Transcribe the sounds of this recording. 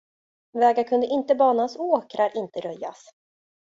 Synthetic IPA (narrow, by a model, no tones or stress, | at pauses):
vɛːɡakʰɵnd̪əʔɪnt̪əbɑːnasoːkɾaɾʔɪnt̪əɾœjːa̰s